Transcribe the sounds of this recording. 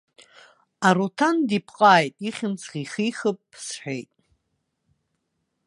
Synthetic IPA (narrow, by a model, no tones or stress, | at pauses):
aɾutʰandipʰqʼaːjtʼiχʲɪmt͡sʰχiχiχəpʼːsħʷᶣejtʼ